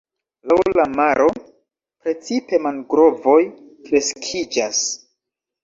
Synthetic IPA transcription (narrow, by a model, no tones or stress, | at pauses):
lawlamaɾʔo̞ | pɾe̞t͡sipe̞manɡɾo̞vo̞j | kɾe̞skʰid͡ʒas